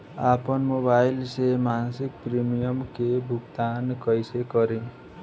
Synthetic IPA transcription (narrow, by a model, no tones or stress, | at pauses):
apɔnmobajlsemansikpɾimijɔmkebʱukt̪ankʌjsekʌɾẽ